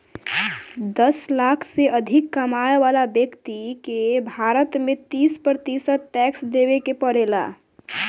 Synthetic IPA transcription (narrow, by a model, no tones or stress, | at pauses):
d̪əslakʰseʔəd̪ʱikːəmaeʋalabjəkt̪ikebʱaɾət̪mẽt̪ispɾɾət̪isət̪̚ʈɛksd̪eβekepəɽela̰